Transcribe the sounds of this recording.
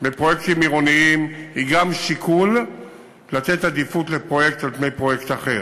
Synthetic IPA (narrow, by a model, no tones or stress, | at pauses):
bepʁo̞je̞kt̪imiʁo̞niimiɡamʃikʰulː | at̪e̞t̪ad̪ifut̪lepʁo̞je̞k̚t̪alpne̞jpʁo̞je̞kt̪aχe̞̰ʁ